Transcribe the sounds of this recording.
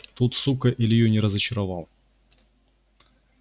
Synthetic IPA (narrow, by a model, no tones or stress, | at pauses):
t̪ut̪sukəʔɪlʲɪjonʲɪɾəzət͡ɕɪɾɐvɑlˠ